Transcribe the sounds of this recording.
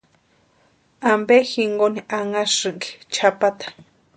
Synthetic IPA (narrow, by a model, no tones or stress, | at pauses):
ambexiŋɡoniaŋasɨŋki̥t͡ʃʰapat̪ḁ